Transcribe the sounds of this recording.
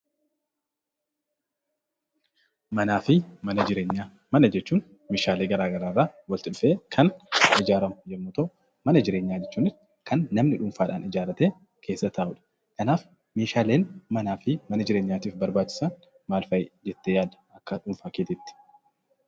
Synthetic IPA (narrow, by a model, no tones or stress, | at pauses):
mɐnaːfɪmɐnɐd͡ʒɪɾeɲːa | mɐnɐd͡ʒɛt͡ʃːuːn | meːʃaːle̞ːɡɐɾaːɡɐɾaːrːaːwɐlt̪ɪᶑʊfe̞ːkʰɐnʔɪd͡ʒaːɾɐmʊjɛmːʊt̪o | mɐnɐd͡ʒɪɾeːɲːaːd͡ʒɛt͡ʃːuːnɪsɪ̥kʰɐnːɐmnɪᶑʊmfaːᶑa̰ːnɪd͡ʒaːɾɐt̪eː | kʰe̞ːsːɐt̪ʰaːʔʊᶑɐ̥ | kʰɐnaːf | meːʃaːle̞ːnmɐnaːfɪmɐnɐd͡ʒɪɾe̞ːɲːaːt̪iːfbɐɾbaːt͡ʃːɪ̥sɐn | maːlfɐjd͡ʒɛt̪ːejaːd̪ɐ̥ʔɐkːɐᶑʊɱfaːkeːt̪ɪt̪ːɪ̥